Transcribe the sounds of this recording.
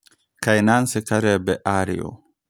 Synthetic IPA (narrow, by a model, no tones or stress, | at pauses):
kajnansɛkaɾɛbɛʔaɾḭɔ̰